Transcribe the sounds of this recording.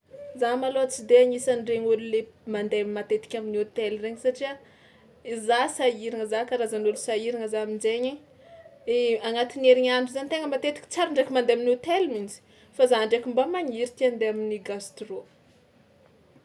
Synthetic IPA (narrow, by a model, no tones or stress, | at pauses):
zamaloat͡sid̪eaɲisanreɲululemand̪emat̪et̪i̥kʲaminiot̪elreɲisaʈ͡ʂia | izasaiɾaŋəzakaɾazanulusaiɾiŋəzaminzeɲeɲ | eaŋat̪ineɾiɲanɖ͡ʐuzant̪eŋəmat̪et̪i̥kʲi̥t͡saɾaɳɖ͡ʐakʲimand̪eaminot̪elimind͡ʒi̥ | fazaɳɖ͡ʐakʲimbamaɲiɾit̪iand̪eaminiɡast̪ro